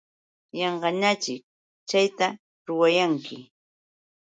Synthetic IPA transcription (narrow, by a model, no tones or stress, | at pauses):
jɑɴɢɑɲat͡ʃɪk̚ | t͡ʃajt̪a | ɾʊwajaŋkʰɪ